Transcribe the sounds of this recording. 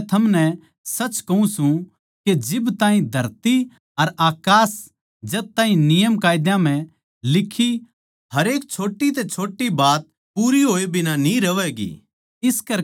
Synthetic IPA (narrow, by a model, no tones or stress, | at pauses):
t̪ʰɐmnɛ | sɐt͡ʃkɐũsũ | ked͡ʒɪbt̪ãːɦĩd̪ʱɐɾt̪i | ɐɾaːkaːs | d͡ʒɐt̪̚t̪ːaːɦĩnɪjəmkaːɪd̪jãm̤ɛ̃ | lɪkʰi | hɐɾeːk̚t͡ʃʰoːʈːit̪̬et͡ʃʰoːʈːibaːt̪̚ | puːɾiɦoːebʱɪnanĩɾɐʋɛːɡḭː | ɪskɐɾ